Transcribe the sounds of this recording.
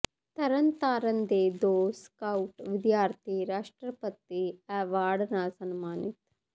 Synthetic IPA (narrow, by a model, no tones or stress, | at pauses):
t̪ɐɾɐnt̪aːɾɐnd̪eːd̪oːskɐwʈʋid̪jaːɾt̪ʰiɾaːʂʈɾɐpɐt̪ːiɛːʋaːɽnaːsɐnmaːnit̪